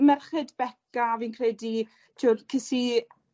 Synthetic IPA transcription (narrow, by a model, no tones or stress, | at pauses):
mɛrχɨdbɛkaːviːnkʰrɛdi | tʰuːrkʰɪsi